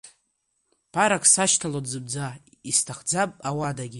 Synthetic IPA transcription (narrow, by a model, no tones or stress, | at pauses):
pʰaɾakʰsaʃtʰalodzɨb̚d͡za | istʰaχd͡zapʼawadaɡʲi